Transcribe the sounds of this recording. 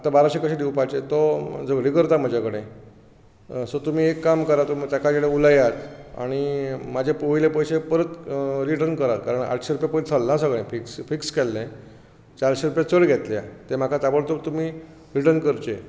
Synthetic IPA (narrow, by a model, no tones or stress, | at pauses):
at̪abaɾaɕekəɕed̪iwpat͡ɕet̪ɔd͡zəɡɽikəɾt̪am̤əd͡ʑʱakəɽ̃ẽ | sot̪um̤iːekːamkəɾat̪omt̪akad͡ʑeɽeulajat̪a̰ɽ̃imad͡ʑʱepojlepəjɕepəɾət̪ɾiʈəɾnkəɾat̪̚kaɾəɳa̰ʈʰɕeɾupjapəjt͡sʰəlnasəɡɭẽfiksfikskɛlːẽ | t͡ɕaɾɕeɾupjat͡səɭɡʱɛt̪lja̰t̪em̤akʰat͡s̪abəɭt̪ot̪um̤iː | ɾiʈənkəɾt͡ɕe